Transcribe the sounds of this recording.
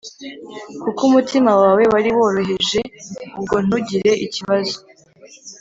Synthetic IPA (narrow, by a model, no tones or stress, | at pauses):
kukumutimawaːwe̞waɾiβo̞ːɾo̞ɦe̞ʒe̞ub̚ɡo̞n̥uɟiɾe̞ʔiciβazo